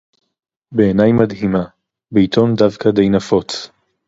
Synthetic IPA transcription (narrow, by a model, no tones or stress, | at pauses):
beːnajmad̪ɦima | beit̪ʰo̞md̪avkad̪e̞jnafo̞t͡s